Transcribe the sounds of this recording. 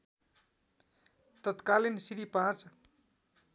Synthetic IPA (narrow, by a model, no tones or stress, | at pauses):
t̪ʌt̪kalinsiɾipãt͡s